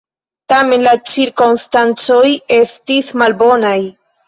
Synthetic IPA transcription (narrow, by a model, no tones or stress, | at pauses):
tame̞nlat͡ʃiɾkonstant͡so̞je̞stismalbo̞naj